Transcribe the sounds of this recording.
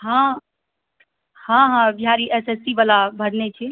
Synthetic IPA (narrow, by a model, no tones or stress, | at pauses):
ɦã | hãɦãbiɦaɾiʔesesʈibalabʱəɽnet͡ʃʰi